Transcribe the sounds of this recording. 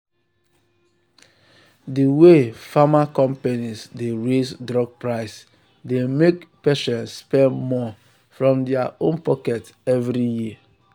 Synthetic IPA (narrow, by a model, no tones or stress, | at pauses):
diwefamakɔ̃mpenizdeɹesdɾɔɡ̚pɹaɪs | demekpɛʃɛ̃nsːpɛmɔ | fɾɔ̃mdɛaʔõnpɔkɛt | ɛvɾiji